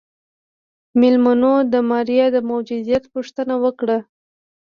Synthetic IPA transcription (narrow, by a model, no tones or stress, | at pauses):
mɪlmanod̪əmɑɾijad̪əmʊwd͡ʒʊzijat̪puʂt̪ənawəkɽa